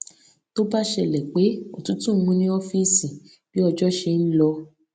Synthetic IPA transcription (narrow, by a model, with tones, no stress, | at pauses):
to˦ba˦ʃɛ˦˨lɛ˨k͡pe˨˦o˨tũ˨˦tũ˦ɡ͡bũ˧nĩ˦ɔ˦fi˦sĩ˨ | b̥i˨˦ɔ˧d͡ʒɔ˦ʃe˧n̩˦lɔ˧